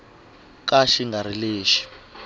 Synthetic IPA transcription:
k̬aʃiŋɡaɾ̤ileːʃi̥

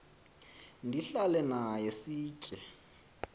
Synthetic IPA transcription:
ndʱiɬalɛnajesiːt͡ʃʼɛ

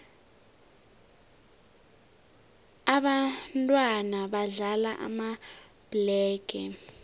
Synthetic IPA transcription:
aɓantʼwanaɓaɮalaʔa̰ma | b̥lɛːɡ̥ʱɛ

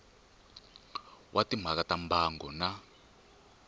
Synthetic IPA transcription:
wʔatim̤akatambaːŋɡɔna

